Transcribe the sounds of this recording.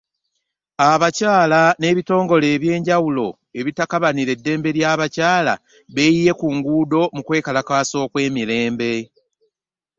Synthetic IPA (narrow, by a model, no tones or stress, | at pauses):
aβacaːlane̞ːβito̞ːŋɡo̞le̞ːβje̞ːɲɟawulo̞ | e̞βitakaβaniɾe̞dːe̞ːmbe̞ɾjaːβacaːla̰ | βe̞jije̞kuŋɡuːdo̞mukwe̞ːkalakaːso̞ːkwe̞ːmiɾe̞ːmbe̞